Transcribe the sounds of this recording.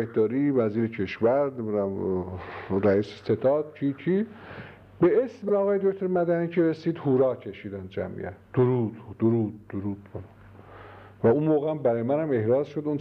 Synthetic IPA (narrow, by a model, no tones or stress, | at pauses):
ehd̪ɒːɾiːvæziːɾecʰeʃvæɾeuæm | ɾæiːsese̞t̪ʰɑːd̪̚cʰiːt͡ʃʰi | beesmeɒːɣɒːje̞d̪oct̪ʰoɾmæd̪æniːcʰeɾesiːd̪huːɾɒːcʰe̞ʃiːd̪ænd̪d͡ʒæ̰mʔḭʔæ̰td̪̥oɾuːd̪d̪oɾuːd̪̚ːoɾuːd̪̥kʰonæ | væunmoːɣeæmbæɾɒːjemænhæme̞hɾɑːzʃod̪un